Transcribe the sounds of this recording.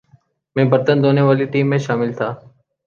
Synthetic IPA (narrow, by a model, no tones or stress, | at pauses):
mẽːbəɾt̪ənd̪oːneʋaːliʈiːmːẽʃaːmɪlt̪ʰaː